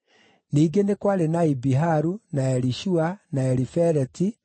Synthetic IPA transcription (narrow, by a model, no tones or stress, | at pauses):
niːɡenekwaɾenaibiɦaɾunaɛɾiʃuanaɛɾifɛɾɛti